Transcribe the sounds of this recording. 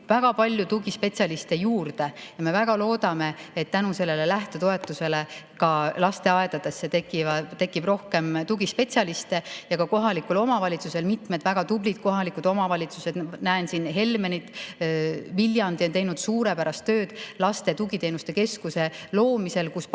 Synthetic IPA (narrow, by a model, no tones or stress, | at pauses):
væɡ̥ɑpɑlʲjut̪uɡ̥ispe̞t̪sʲɑlist̪e̞juːrd̪̥e̞jɑme̞væɡ̥ɑlo̞ːd̪̥ɑme̞et̪ːænuse̞lːe̞lelæht̪et̪o̞e̞t̪ːˑuse̞le̞kɑlɑst̪e̞ɑed̪̥ɑd̪̥e̞sːet̪ekit̪e̞kˑːib̥ro̞hke̞mt̪uɡispe̞t̪sʲɑlist̪e̞jɑkɑko̞ɦɑlikːulo̞mɑvɑlʲit̪suse̞lmit̪med̪væɡ̥ɑd̪ublid̪̚ko̞ɦɑlikud̪o̞mɑvɑlʲit̪sused̪næensinɦe̞lme̞nit̪ | viljɑnd̪io̞nt̪e̞jnud̪̥suːɾe̞pæɾɑst̪ːø̞ːd̪̥lɑst̪e̞t̪uɡ̥it̪e̞ːnust̪e̞ke̞skuse̞lo̞ːmise̞lkus